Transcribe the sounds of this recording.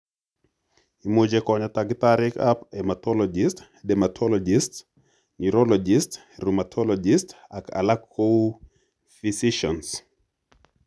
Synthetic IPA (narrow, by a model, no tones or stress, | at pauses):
imud͡ʒɛkɔɲataɡitaɾika̰pɛmatɔlɔd͡ʒist | dɛmatʰɔlɔd͡ʒist | niɾɔlɔd͡ʒist | ɾumat̪ʰɔlɔd͡ʒistaka̰lakʰːo | fisiʃɔns